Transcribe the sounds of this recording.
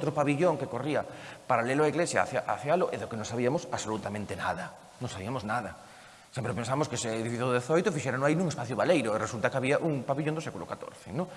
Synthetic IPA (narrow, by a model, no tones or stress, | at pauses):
t̪ɾʊpaβiʎoŋkekoriɐpaɾalelʊaiɣlesja̰θja̰ʔa̰θjalʊʔeðokenõŋsaβiamʊsaβsolut̪amẽnt̪enaðɐ | nõŋsaβiɐmoznaðɐ | sempɾepẽnsaβmʊskeseeðifiθjʊððeθojt̪ʊfiʃɛɾanõainũŋespaθjʊβalejɾʊeresult̪akaβiaʔuŋpaβiʎõnd̪ʊsɛkulʊ̰kat̪o̰ɾθɪnõŋ